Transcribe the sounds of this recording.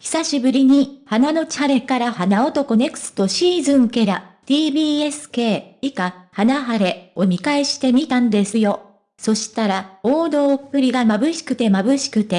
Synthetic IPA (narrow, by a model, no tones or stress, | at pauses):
çi̥saɕibɯ̟ɾʲiɲ̟ihanano̞t͡ɕaɾe̞kaɾahanaot̪o̞ko̞ne̞kɯ̟̥sɨ̥t̪o̞ɕiːzɨ̃ŋke̞ɾat̪iːbʲiːe̞sɨ̥ke̞ːikahanaɦaɾe̞o̞mʲikaeɕi̥t̪e̞mʲit̪ãnd̪e̞sɨjo̞ | so̞ɕi̥t̪aɾaoːd̪o̞ːpːɯ̟ɾʲiɡamabɯ̟ɕi̥kɯ̟t̪e̞mabɯ̟ɕi̥kɯ̟t̪e̞